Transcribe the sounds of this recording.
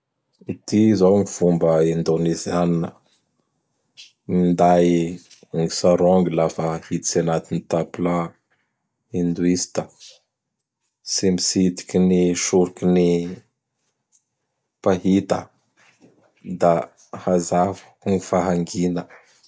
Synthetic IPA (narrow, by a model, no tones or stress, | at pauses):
it̪izoŋiv̥umbəind̪onezianinə | mind̪aj | ŋisaɾoŋɡilafəhit̪i̥sanat̪init̪apula | ind̪uist̪ə | simisit̪i̥kiniʃuɾikini | paɦit̪ə̰ | d̪a | hazavu̥ | ŋifaɦaŋɡinə